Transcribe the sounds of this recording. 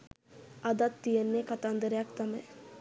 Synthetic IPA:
ad̪at̪ːijenːekat̪aːnd̪əɾejɐkt̪aməj

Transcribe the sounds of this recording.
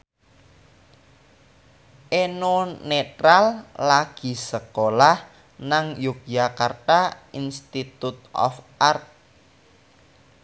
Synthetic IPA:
ʔenonet̪ɾalːaɡ̥i̤səkolah | naŋjuk̚jakart̪ainst̪it̪ut̪̚ʔɔ̰fʔart̪̚

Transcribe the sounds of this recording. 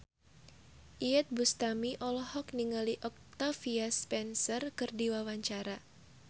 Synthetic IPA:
ʔiɛt̪̚bust̪amiʔɔlɔhɔk̚niŋaliʔɔk̚t̪afiaspɛnsərkɨrdiwawaɲt͡ʃaɾa

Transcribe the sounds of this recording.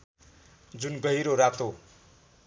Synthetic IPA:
d͡zunɡʌjɾoɾat̪o

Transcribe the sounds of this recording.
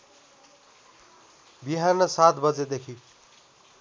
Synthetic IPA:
biɦanʌsat̪bʌd͡zed̪ekʰi

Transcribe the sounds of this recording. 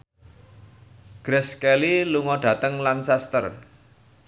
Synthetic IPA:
ɡ̥ɾɛskɛliluŋɔɖ̥ä̤t̪əŋlansɛst̪ə̰r

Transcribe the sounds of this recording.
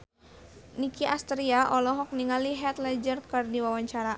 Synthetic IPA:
nikiʔast̪ɾiaʔɔlɔɦɔk̚niŋaliɦɛt̪lɛd͡ʒərkɨrdiwawaɲt͡ʃaɾa

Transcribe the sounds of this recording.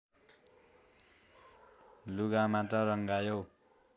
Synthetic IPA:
luɡamat̪ʌɾʌŋɡajow

